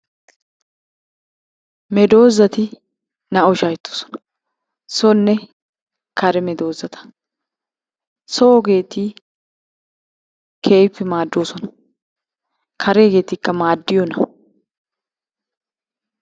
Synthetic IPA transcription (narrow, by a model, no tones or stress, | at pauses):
mɛd̪oːzɐt̪ɪ | nɐɔʃɐjt̪ːo̥ːsɔ̥nɐ̥ | sɔnːɛ | kɐɾɛmɛd̪o̞ːzɐt̪ʰɐ̥ | soːɡe̞ːt̪ːiː | kʰeːjpːɪmaːd̪ːoːsɔnɐ | kʰɐɾeɡe̞ːt̪iːkːɐmaːd̪ːɪjɔnɐ